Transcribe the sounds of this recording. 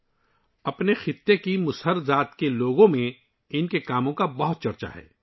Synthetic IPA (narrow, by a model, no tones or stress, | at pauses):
ɐpnexɪt̪ːekimʊsɦəɾzaːt̪keloːɡõmẽ | ɪnkekaːmõkabɐɦʊt̪̚t͡ʃɐɾt͡ʃa̰ɦɛ̰ː